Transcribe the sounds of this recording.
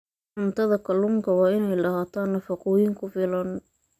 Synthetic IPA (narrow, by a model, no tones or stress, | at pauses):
ħʊnt̪ʰɐðɐkʰɐlʊŋkʰɐwɑːɪnɛjlɐhaːt̪ʰaːnːɐfɐqʊːjɪŋkʰʊfɪlɐn